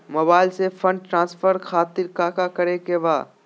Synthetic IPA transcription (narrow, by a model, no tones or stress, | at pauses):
moːbaːɪlsefʰɐ̃ɳɖ̚ʈɾãːnsfʰəɾkʰaːt̪ɪɾkaːkakɐɾekebaː